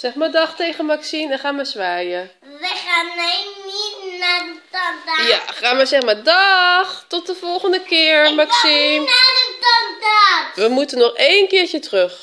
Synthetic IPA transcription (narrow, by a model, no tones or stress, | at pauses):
sɛχmaːɹdɑχtejχənmaksinɛnχaːnʋazʋaːjə | ʋəχaːnːɛnitnaːdətɑndajaχaːnʋazɛχmaːɹdɑχtɔtdəvɔlˠχəndəkɪːɹmaksiadətɑndaːtʋəmutənɔχejnkɪːɹcətrøχ